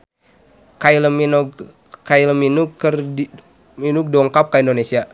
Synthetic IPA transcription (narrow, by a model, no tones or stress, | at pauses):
kailəminɔ | kailəminukːər | minuk̚dɔŋkap̚kaindonesia